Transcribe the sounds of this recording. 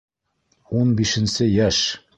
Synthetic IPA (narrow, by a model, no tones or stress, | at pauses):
unbiʃɘ̆nsɘjæʃ